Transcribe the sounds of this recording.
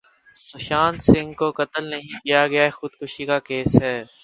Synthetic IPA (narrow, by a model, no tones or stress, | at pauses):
sʊʃaːnsɪ̃ŋɡkokɐt̪əlnɐɦĩkijaɡɐjaɛxʊd̪kʊʃikakeːsɦɛː